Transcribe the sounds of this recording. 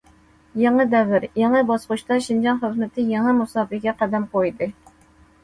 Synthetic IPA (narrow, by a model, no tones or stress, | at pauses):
jɑŋəd̪ɛvɪɾjɛŋəbɑsquʃt̪ɑʃind͡ʒɑnχəzmɪt̪ʰɪjɛŋɨmusɑːfɨɡʲɛqæd̪ɛmqojd̪ɨ